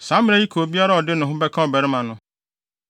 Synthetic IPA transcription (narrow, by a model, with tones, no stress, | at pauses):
sã˨˦mɪ̃˦a˦ji˦kʰo˨bi˦a˦ɾa˦ɔ˨dɪ˦nʊ̃˨ɦʊ̃˦bɛ˦kʰã˦ɔ˨bɛ˨ɾɪ˦mã˨nʊ̃˦